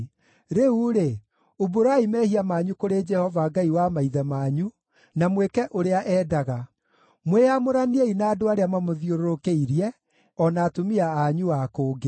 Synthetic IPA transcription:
ɾeuɾe | oboɾaimɛːhiamaːɲukoɾed͡ʒɛhɔvaɡaiwamaiðɛmaːɲu | namwekɛʔoɾeaʔɛːdaɣa | mweamoɾanieinaːdoaɾeamamoðjoɾoɾokeiɾiɛ | ɔnaːtomiaːɲuakoːɡe

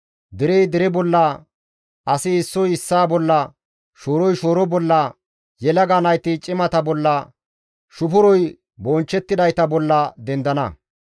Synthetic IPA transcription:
d̪ɪɾɛjd̪ɪɾɛbɔlːɐ | ʔɐsɪːsːɔjɪsːaːbɔlːɐ | ʃoːɾɔjʃoːɾɔbɔlːɐ | jɛlɐɡaːnɐjt̪ɪt͡ʃʼɪmɐt̪ɐbɔlːɐ | ʃʊpʊɾɔj | bɔnt͡ʃːɛt̪ːɪd̪ɐjt̪ɐbɔlːɐd̪ɛnd̪ɐnɐ̰

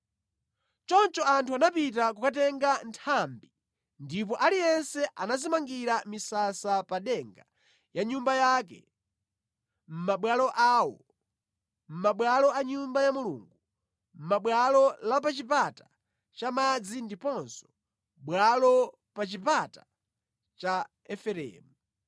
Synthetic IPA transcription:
t͡ʃɔnt͡ʃɔantʰuanapit̬ak̬ukat̬ɛŋɡantʰambi | ndip̬ɔʔalijɛnsɛʔanazimaŋɡiɾamisasapaɗɛŋɡa | jaɲumbajak̬ɛ̰ | m̩maɓwalɔʔaːwɔ | m̩maɓwalɔaɲumbajamulṵːŋɡu | m̩maɓwalɔlapat͡ʃipata | t͡ʃamad͡zindipɔnsɔ̥ | ɓwalɔ | pat͡ʃipata | t͡ʃa | ɛfɛɾɛ̰ːmu

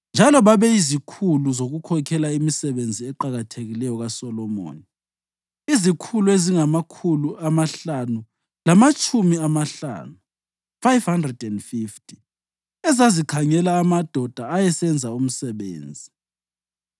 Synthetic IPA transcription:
nd͡ʒʱalɔβaβɛizikʰuluzoɣukʰɔkʰɛlaimisɛβend͡zʱiɛǃaɣatʰeɣilɛjɔɣasɔlɔmo̰ːni | izikʰulueziŋamakʰuluamaɬanu | lamat͡ʃʼumiamaɬa̰ːnu | fajfhandrɛdɛndfiftʰʼi | ɛzazikʰaŋɛlaːmad̥ʱɔd̥ʱaːjɛsɛnd͡zʱaum̩sɛβḛːnd͡zʱi

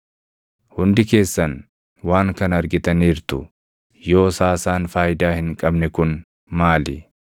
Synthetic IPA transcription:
hʊnd̪ɪke̞ːsːɐn | waːŋkɐnɐɾɡɪt̪ɐniːɾt̪ʊ̰ | jo̞ːsaːsaːnfaːjɪd̪aːhɪŋkʼɐbnɛkʊn | maːlɪ

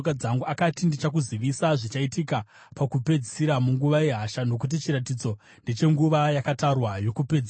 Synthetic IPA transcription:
kad͡zaŋɡuakatindit͡ʃakuziʋisaʐit͡ʃaitika | pakupe̞d͡zisiɾamuŋɡuʋaje̞ɦaʃano̞k̬ut̬it͡ʃiɾatid͡zo̞ | ndet͡ʃe̞ŋɡuʋajakatarwajo̞kuped͡z

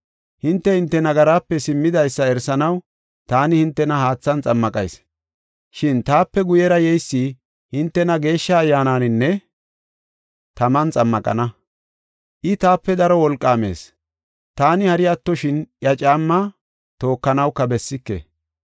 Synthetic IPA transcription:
hɪnt̪ːɛhɪnt̪ːɛnɐɡɐɾaːpːɛsɪmːɪd̪ɐjsːɐɛɾsɐnɐw | t̪aːnɪhɪnt̪ːɛnɐhaːt͡sːɐnt͡sʼɐmːɐkʼɐjs | ʃɪnt̪aːpːɛɡʊjɛɾɐjɛjsːi | hɪnt̪ːɛnɐɡe̞ːʃːɐːjːaːnaːnɪnːɛ | t̪ɐmɐnt͡sʼɐmːɐkʼɐ̰nɐ | ʔɪt̪aːpːɛd̪ɐɾɔwɔlkʼːaːme̞̰ːs | t̪aːnɪhɐɾɪɐt̪ːɔʃɪnjɐt͡ʃʼaːmːɐ | t̪o̞ːkːɐnɐwkːɐbɛsːɪkːḛ

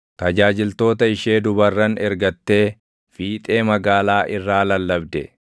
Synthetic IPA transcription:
t̪ɐd͡ʒaːd͡ʒɪlt̪o̞ːt̪ɐɪʃe̞ːd̪ʊbɐrːɐnɛɾɡɐt̪ːe̞ː | fiːt̪ʼe̞ːmɐɡaːlaːʔɪrːaːlɐlːɐbd̪ɛ̰

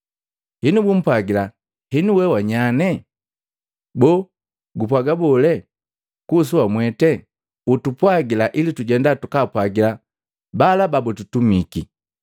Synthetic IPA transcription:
hinubum̩pwaɡila | hinuwɛwaɲanɛ | bɔ | ɡupwaɡabɔlɛ | kus̬uwamwɛtɛ | utupwaɡilaʔilituɟɛndatukapwaɡila | balababututumiki

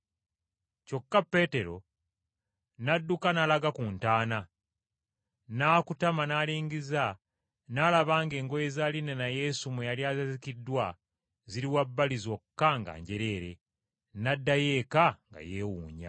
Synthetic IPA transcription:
co̞kːapːe̞ːte̞ɾo̞̰ | nadːukanalaɡakuntaːna | naːkutamanaliːɲɡiza | nalaβaːŋɡe̞ːŋɡojezaːlinenaje̞ːsumwejaljaːzezikidːwa | ziɾiwabːalizo̞kːaŋɡa̰ːɲɟe̞ɾe̞ːɾe̞̰ | nadːaje̞kaŋɡa̰je̞ːwuːɲa̰

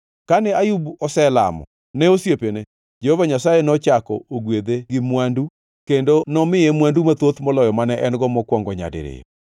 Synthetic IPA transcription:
kanɛajubɔsɛla̰mɔ̰ | nɛosjepene | d͡ʒehovaɲasajenɔt͡ʃakɔ̰oɡwed̪eɡɪmwandu | kendonɔmɪemwandumat̪wot̪mɔlɔjɔmanɛʔɛnɡɔmɔkwɔŋɡɔɲa̰dḛɾḛjɔ̰

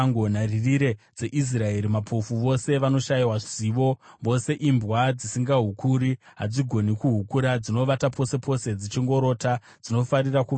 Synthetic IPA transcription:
ŋɡonaririɾe̞d͡ze̞ʔis̬rae̞ɾimapʰo̞fuʋo̞se̞ʋano̞ʃaiwḁiʋo̞ʋo̞se̞ʔimbɣwad͡zisiŋɡaɦukuɾiɦad͡ziɡʱo̞nikuɦukuɾad͡zino̞ʋatapo̞se̞pʰo̞se̞d͡zit͡ʃiŋɡo̞ɾo̞ːta | d͡zino̞faɾiraku

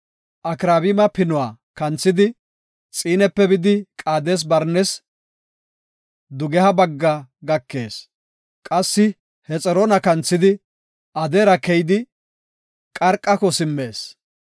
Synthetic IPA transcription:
ʔɐkɾaːbɪmɐpɪnʊwaː | kɐnt͡sːɪd̪ɪ | t͡sʼiːnɛpːɛbɪd̪ɪkʼaːd̪eːs̬bɐɾnɛs | d̪ʊɡɛhɐbɐɡːɐɡɐkːe̞ːs | kʼɐsːɪ | hɛt͡sʼɛɾɔnɐkɐnt͡sːɪd̪ɪ | ʔɐd̪eːɾɐkɛjɪd̪ɪ | kʼɐɾkʼːɐkɔsɪmːeːs

